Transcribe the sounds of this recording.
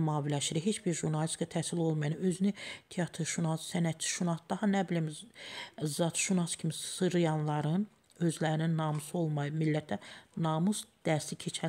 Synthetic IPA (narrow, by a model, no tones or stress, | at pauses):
mɑːvilæʃiɾiɦe̞t͡ʃbiɾʒuɾnɑlʲiskʰɑt̪ʰæsilo̞lˠmɑjɑnø̞zynyt̪ʰeɑt̪ʰɾʃunɑssænæt̪ʰi̥ʃunɑsd̪ɑhɑnæbilim | zɑt̪ʰʃunɑscʰimisɯɾɯjɑnlˠɑɾɯn | ø̞zlæɾininːɑːmusɯo̞lˠmɑjɯmilːæt̪̚ʰːænɑmusd̪̥æɾsicʰe̞t͡ʃʰæ